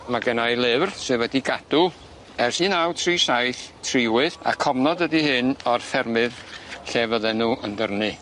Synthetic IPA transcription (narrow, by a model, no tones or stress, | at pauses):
maɡɛnajlˠɨvrsɨwɛdiɡad̥u | ɛrsiːnawtʰriːsajθtʰrɪwɨða̰kʰɔmnɔdədihɨnɔrfɛrmɨðɬevəðɛnuəndərnɨ